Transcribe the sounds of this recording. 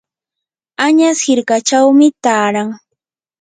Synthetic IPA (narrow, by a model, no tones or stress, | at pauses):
aɲashɪɾkat͡ʃawmɪt̪aːɾaŋ